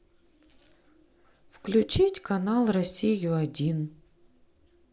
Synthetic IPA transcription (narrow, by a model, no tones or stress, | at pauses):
fklʲʊt͡ɕitʲkɐnalˠrɐsʲijʊɐdʲin